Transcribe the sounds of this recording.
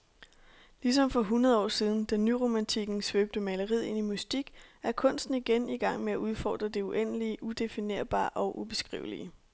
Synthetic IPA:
lis̬ɒ̽mfɒ̽ɦunɐðˠɒ̰ːsiːð̞ˠn̩d̥ænyʁo̝mænt͡sʰiɡ̥n̩sʋøːb̥̚d̥əmɛləʁið̰ˠe̝nimusd̥iɡ̥æɐkʰɔ̽n̰sd̥n̩iɡ̥eniɡ̥ɑ̈ŋ̰meæʔuð̞ˠfɒ̰ːd̥ʁɐd̥e̝uʔen̰əliəʔud̥e̝fine̝̰ɐb̥ɑ̰̈ːʔɒ̽ʔub̥e̝sɡ̥ʁḭʊlḭə

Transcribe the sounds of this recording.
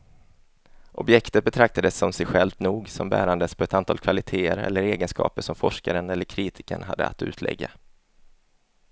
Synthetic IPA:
ʔɔbjɛkt̪ət̪̚bɛt̪ʰɾak̚t̪ad̪əsːɔmsɛjɧɛlvt̪nuːɡsɔmbæ̰ːɾand̪əspʰɔɛt̪ant̪ʰɑːlkʰvalɪt̪ʰeːəɾɛ̰lːəɾeːɡənskɑ̰ːpəʂɔmfɔʂkaɾənɛlːəɾkʰɾiːt̪ʰɪkə̰ɳɦa̰d̪ːə̰a̰t̪ʉ̟ːt̪ʰlʔɛ̰ɡːa

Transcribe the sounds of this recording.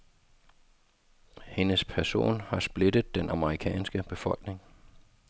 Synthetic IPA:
he̝nəspʰæɐso̝̰ːnhɑ̈sb̥le̝dəð̩ˠd̥enʔɑ̈məʁikʰɛ̰ːnsɡ̥əb̥e̝fɒ̽l̰ɡ̥ne̝ŋ

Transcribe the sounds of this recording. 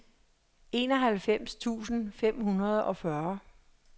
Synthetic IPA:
e̝ːnɒ̽ɦælfem̰st͡sʰṵːsn̩fem̰ɦunɐð̞̩ˠɒ̽fɶɐ

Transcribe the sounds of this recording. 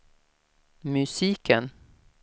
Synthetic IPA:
mʉsiːkən

